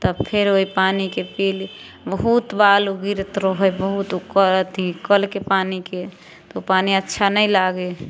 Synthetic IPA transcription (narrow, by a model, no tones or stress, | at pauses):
t̪əbpʰeɾoipanikepil | bəɦut̪baluɡiɾt̪ɾoɦojbəɦut̪ukət̪ikəlkepanike | t̪opaniətːʃʰanəjlaɡe